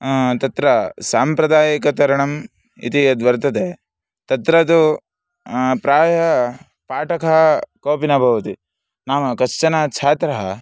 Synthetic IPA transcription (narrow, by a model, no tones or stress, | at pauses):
t̪ɐt̪ɾɐsaːmpɾɐd̪aːjɐkɐt̪ɐɾɐɳɐm | ḭt̪iɐd̪ʋɐɾt̪ɐd̪eː | t̪ɐt̪ɾɐd̪u | pɾaːjɐ | paːʈɐkɐɦɐkoːpinɐbʱɐʋɐt̪i | naːmɐkɐst͡ʃɐnat͡ʃʰaːt̪ɾɐɦɐ